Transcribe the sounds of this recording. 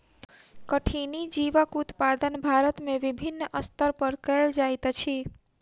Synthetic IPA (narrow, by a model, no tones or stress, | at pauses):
kəʈʰinid͡ʒiʋəkut̪pad̪ənbʱaɾət̪meʋibʱinːʔəst̪əɾpəɾkəld͡ʒajt̪t͡ʃʰi